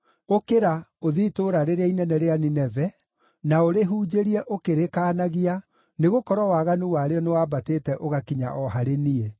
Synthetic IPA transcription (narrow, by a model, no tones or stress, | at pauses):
okeɾaoðiːtoɾaɾeɾeainɛnɛɾeaninɛvɛ | naoɾeɦuːd͡ʑeɾiɛʔokeɾekanaɣia | neɣokɔɾɔwaɣanuwaɾeɔnewaːbateːtɛʔoɣakiɲa̰ʔɔɦaɾenie